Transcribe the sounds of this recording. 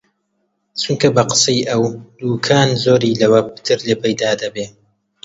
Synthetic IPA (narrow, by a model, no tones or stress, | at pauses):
t͡ʃuŋkʰɐbɐqə̥sɐjʔɐwd̪uːkʰaːnzoːɾiːlɐwɐpɨ̥t̪ʰɨɾleːpɐjd̪aːd̪ɐbeː